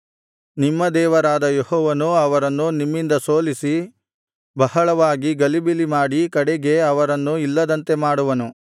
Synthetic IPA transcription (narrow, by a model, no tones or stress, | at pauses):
nimːɐd̪ɛːʋɐɾaːd̪ɐjehɔːʋɐnuɐʋɐɾɐnːunimːind̪ɐsoːlisi | bɐhɐɭɐʋaːɡiɡɐlibilimaːɽikɐɽeɡe̞ɐʋɐɾɐnːuilːɐd̪ɐnt̪e̞maːɽuʋɐnu